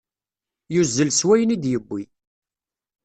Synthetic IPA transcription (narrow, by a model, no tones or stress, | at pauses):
juzːəlswæjənid̪jəbːi